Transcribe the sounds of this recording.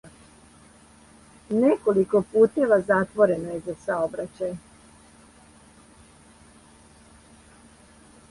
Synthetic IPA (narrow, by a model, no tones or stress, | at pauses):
nekoliko̞puːt̪e̞ʋazat̪ʋo̞ɾe̞nojezasaobɾat͡ɕaj